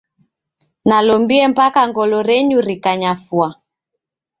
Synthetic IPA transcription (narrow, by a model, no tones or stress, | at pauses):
nalɔmbiɛmpakaŋɡɔlɔɾɛɲuɾikaɲafwa